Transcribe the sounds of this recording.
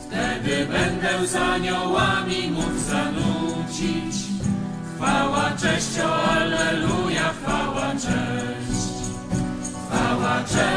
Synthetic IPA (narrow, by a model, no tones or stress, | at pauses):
ft̪ɛd̪ɘbɛnd̪ɛzaɲɔwamʲimuɡzanut͡ɕit͡ɕ | xfawat͡ʂɛ̃ɕt͡ɕɔ̃alɛlujaxfawat͡ʂɛ | ɕt͡ɕ | fawat͡ʂɛ